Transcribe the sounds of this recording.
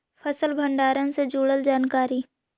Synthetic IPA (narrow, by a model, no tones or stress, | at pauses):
pʰəsəlbʱə̃ɳɖaːɾə̃nsed͡ʒuːɽəld͡ʒaːnkaːɾiː